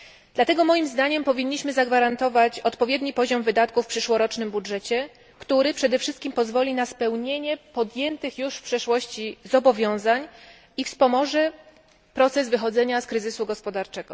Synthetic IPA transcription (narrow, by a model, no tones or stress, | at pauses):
d̪̥lat̪ɛɡɔmɔjimzd̪aɲɛmpɔvʲiɲːiɕmɘzaɡvaɾant̪ɔvat͡ɕɔt̪pɔvʲjed̪ɲipɔʑɔmvɘd̪at̪̚kufpʂɘʂwɔɾɔt͡ʂnɘmbudʐɛt͡ɕɛ | kt̪uɾɘpʂɛd̪ɛfʂɘst̪kʲimpɔzvɔlʲinaspɛwɲeɲɛpɔd̪jɛnt̪ɘxjuʂfpʂɛʂwɔɕt͡ɕizɔbɔvʲjɔ̃w̃zaɲ | ifspɔmɔʐɛ | pɾɔt̪sɛzvɘxɔd̪zɛɲaskɾɘzɘsuɡɔspɔd̪aɾt͡ʂɛɡ̥ɔ̰